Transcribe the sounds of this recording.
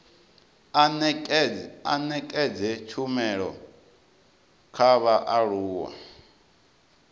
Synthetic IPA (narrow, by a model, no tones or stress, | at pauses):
anɛkʼɛd͡zɛt͡ʃʰumɛɺɔ̰ | kʰaβaʔaɺuːwa̰